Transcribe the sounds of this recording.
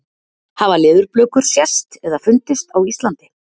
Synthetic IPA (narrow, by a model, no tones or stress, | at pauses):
havalɪːðʏɾplœːkʏɾ̥sjɛst̪ɛðafʏnt̪ɪst̪awist̪lant̪ɪ̥